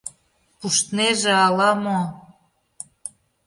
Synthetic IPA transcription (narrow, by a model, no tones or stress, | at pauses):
puʃt̪neʒĕɑlɑmo